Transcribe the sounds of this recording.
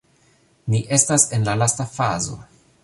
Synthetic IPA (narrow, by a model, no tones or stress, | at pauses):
niʔe̞stase̞nlalastafazo̰